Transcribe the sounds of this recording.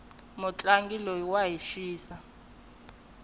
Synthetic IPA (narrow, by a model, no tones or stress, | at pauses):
mut͡ɬʼaŋɡilowaɦiʃiːsa